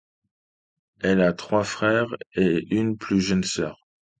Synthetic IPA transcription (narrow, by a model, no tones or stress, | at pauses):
ɛlat̪χwafχɛʁeynplyʒənsœːʁ